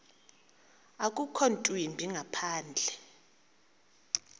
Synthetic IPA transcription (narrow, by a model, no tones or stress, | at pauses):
akʼukʰontʼwimbʱiŋʱapʰaːnd͡ɮʱɛ